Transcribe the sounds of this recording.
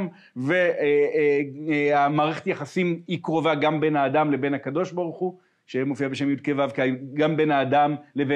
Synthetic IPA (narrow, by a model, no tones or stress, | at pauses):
m | vee | amaːʁeχetjaχasimikʁo̞vaɡambe̞naːd̪amle̞be̞nhakad̪o̞ʃbaʁuχu | ʃemofiabeʃe̞mjud̪̚kevavkɡambe̞naːd̪amlebe